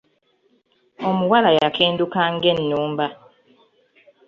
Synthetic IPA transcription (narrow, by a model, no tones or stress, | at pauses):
o̞muwalajakʰeːndukaŋɡe̞nːuːmba